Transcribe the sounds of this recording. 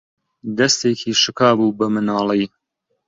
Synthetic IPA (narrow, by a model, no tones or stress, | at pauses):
d̪ɐst̪eːkʰiːʃɨkʰaːbuːbɐmɨnaːlˠij